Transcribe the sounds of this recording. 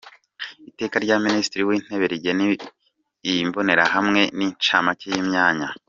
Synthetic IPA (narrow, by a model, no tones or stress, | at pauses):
ite̞ːkaɾɟaːministiɾiwiːn̥he̞βeɾiɟeni | imbo̞ne̞ɾahamŋe̞nit͡ʃaːmacejimɲaːɲa